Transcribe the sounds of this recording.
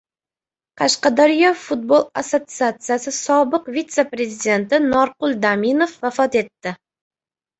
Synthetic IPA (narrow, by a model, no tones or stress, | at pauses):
qʰɑʃqɑd̪ɑɾijɑfut̪̚bolˠasot̪sɨat̪sɨjasɨsɒbəqvit̪sepɾezid̪ʲe̞nt̪ɪnɑɾqʊlˠd̪aminofvæfɑt̪e̞t̪ːɪ